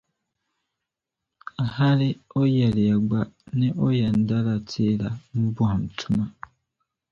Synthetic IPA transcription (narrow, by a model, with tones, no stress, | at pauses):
a˨ha˦li˦o˦ja˨li˨a˨ɡwa˨ne˦ʔo˦ja˨n˨da˦la˨tʰe˦la˨mu˦bwaː˨m̩˨tʰu˦ma˨